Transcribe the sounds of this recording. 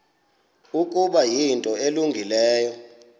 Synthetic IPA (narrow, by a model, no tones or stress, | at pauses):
ukʼuɓajintʼɔeluŋɡʱilɛːjɔ